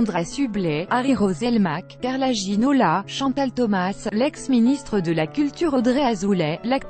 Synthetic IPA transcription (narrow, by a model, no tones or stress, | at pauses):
d̪ʁasyblɛaʁiʁozɛlmakkaʁlaʒinolaʃɑ̃t̪alt̪ɔmaslɛksminist̪χəd̪əlakʲylt̪yʁɔd̪ʁeazulɛlak̚